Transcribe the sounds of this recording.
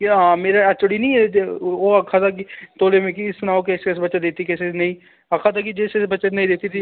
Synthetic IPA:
kãːmeːɾaːət͡ʃʊɽiːnĩːɛt̪eoːəkʰːaːt̪aːk̬it̪oːleːmẽːkiɪsnaːokeskɛsbətːt͡ʃʃaːd̪et̪ːiːkɛsenəĩː | əkʰaːt̪aːk̬id͡ʒeːsebətːt͡ʃanə̃ĩːd̪eːt̪iːt̪iː

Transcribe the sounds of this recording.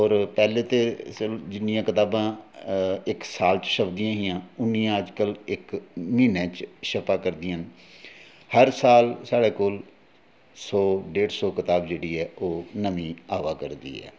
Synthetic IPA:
ɔːɾpɛːleːt̪eːd͡ʒɪnːɪjãːkɪt̪aːbãː | ɪksaːlt͡ʃʃəbd̪ɪjãːɦɪjãːʊnːiãːəd͡ʒkəlɪkmiːnẽːt͡ʃʃəpaːkəɾd̪ɪjãːn | həɾsaːlsaːɽeːkoːl | sɔːɖeːɖsɔːkɪt̪aːbd͡ʒeːɽiːɛːʔoːnəmĩːaːʋaːkəɾd̪ḭːɛ̰ː

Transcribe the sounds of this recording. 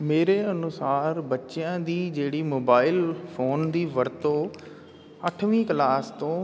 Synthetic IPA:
meːɾeːənʊsaːɾbətːʃɪjãːd̪iːd͡ʒeːɽiːmoːbaːɪlpʰoːnd̪iːʋəɾt̪õː | əʈʰʋĩːklaːst̪õː

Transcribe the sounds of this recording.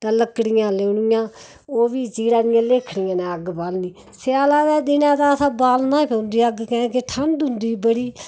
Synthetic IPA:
t̪ãːləkːɽɪjãːleːnɪjãː | oːʋiːt͡ʃiːɽaːnɪjãːleːkʰɽɪjãːnɛ̃ːəɡbaːlniː | sɪjaːlaːd̪ɛːd̪ɪnãːt̪ãːsãːbaːlnãːipə̃ːnd̪iːəɡkɛ̃ːkeʈʰəɳɖʊ̃nd̪iːbəɽiː

